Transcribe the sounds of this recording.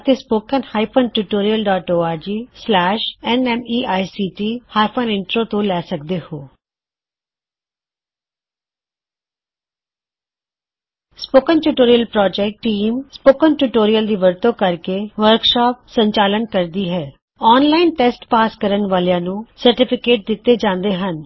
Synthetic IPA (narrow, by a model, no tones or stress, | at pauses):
t̪eːspoːkənhaːipʰənʈuːʈoːɾijəlɖaːʈoːaːɾd͡ʒiːslɛːʃɛnɛːmiːʔaːisiːʈ̪iːhaːpʰənɪɳʈɾoːt̪õːlɛːsək̚d̪eːhoː | spoːkənʈuːʈoːɾijəlpɾɔːd͡ʒɛːk̚ʈʈːiːmspoːkənʈuːʈoːɾijəld̪iːʋəɾt̪õːkəɾkeːʋəɾkʃɔːp̚səɲt͡ʃaːlənkəɾd̪iːɦɛː | ɔːnlaːɪnʈɛːsʈpaːskəɾənʋaːlejãːnũːsəɾʈɪpʰɪkeːʈ̚d̪ɪt̪ːeːd͡ʒãːnd̪eːɦən